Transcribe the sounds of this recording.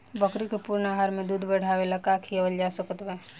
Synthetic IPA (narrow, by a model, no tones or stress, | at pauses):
bəkɾikepuɾnaɦaːɾmẽd̪uːd̪ʱbəɽ̤aːwelɐkaːkʰiəwəld͡ʒaːsəkət̪ʋɛː